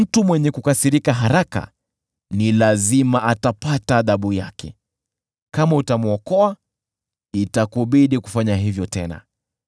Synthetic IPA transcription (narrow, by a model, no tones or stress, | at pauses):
m̩tumwɛɲɛkukasiɾikaɦaɾaka̰ | nilazimaʔatapataːðaɓujakʰɛ̰ | kamautamuɔkɔa | itakuɓiɗiku̥faɲaɦivjɔtɛna̰